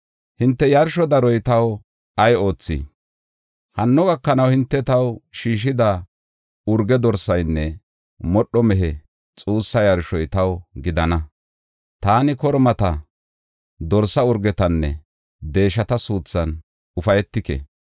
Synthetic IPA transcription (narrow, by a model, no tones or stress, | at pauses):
hɪnt̪ːɛjɐɾʃɔd̪ɐɾɔjt̪ɐw | ɐjo̞ːt͡sːḭ | hɐnːɔɡɐkːɐnɐwhɪnt̪ːɛt̪ɐwʃiːʃ̬ɪd̪ɐ | ʊɾɡɛd̪ɔɾsɐjnːɛ | mɔɗːɔmɛɦɛ | t͡sʼuːsːɐjɐɾʃɔjt̪ɐwɡɪd̪ɐnɐ | t̪aːnɪkɔɾmɐt̪ɐ | d̪ɔɾsɐʊɾɡɛt̪ɐnːɛ̰ | d̪e̞ːʃɐt̪ɐsuːt͡sːɐn | ʊfɐjɛt̪ːɪkɛ̰